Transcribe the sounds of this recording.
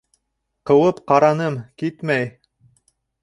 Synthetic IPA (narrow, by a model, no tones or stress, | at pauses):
qɤ̆wɤpqɑɾɑnɤmkit̪mæj